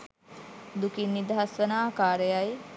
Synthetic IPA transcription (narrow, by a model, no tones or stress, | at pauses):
d̪ukinːid̪əɦasʋənaːkaːɾejaj